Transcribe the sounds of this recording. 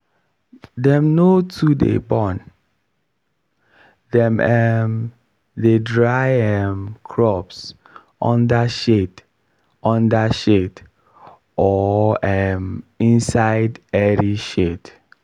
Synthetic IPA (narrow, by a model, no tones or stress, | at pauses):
dɛ̃mnotʰudḛbɔ̃n | dɛ̃mɛm | dedɹaɪɛmkʰɹɔps | ɔ̃ndaʃed | ɔ̃ndaʃed | ɔɛmĩnsaɪdɛɹiʃet